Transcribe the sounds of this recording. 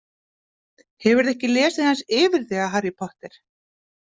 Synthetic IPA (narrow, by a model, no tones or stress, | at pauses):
hɛvʏɾðɛhcɪlɛːsɪθansɪːvɪɾ̥θɛːɣaɦaɾjipʰɔht̪ɛɾ̥